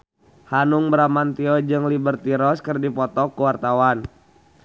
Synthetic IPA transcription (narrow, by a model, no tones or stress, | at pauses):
hanuŋbəɾamant̪iɔd͡ʒɨŋlibərt̪iɾɔskərdipɔt̪ɔkəwart̪awan